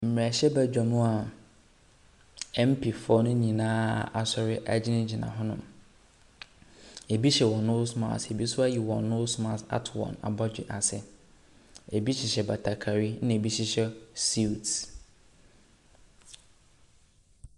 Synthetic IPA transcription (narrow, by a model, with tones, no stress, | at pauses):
m̩˨m˨ɛ˨ɕɛ˦bæ˨d͡ʑᶣa˨mʊ̃˦a˨ | ɛ̃˦m˦pʰi˨fɔ˦nʊ̃˦nĩ˨nãː˦a̰˨sɔ˨ɾɪ˦ʔa˨d͡ʑɪ˦nɪ̃˦d͡ʑɪ˨nã̰˨ɦɔ̃˦nʊ̃˨m | e˨bi˦ɕɛ˨wɔ̃˨nːõ˦sma̰˨te˨bi˦sʊ˦a˦ji˨wɔ̰̃˨no˦sma˨ta̰˨˦tʰwɔ̰̃˨na̰˨bɔ˦d͡ʑᶣɪ̰˨ʔa˨sɪ˨ | e˨bi˦ɕɪ˨ɕɛ˨ba˨tʰa˨kʰa˨ɾi˦nɪ̃˦e˨bi˦ɕɪ˦ɕɛ˦si˦˨t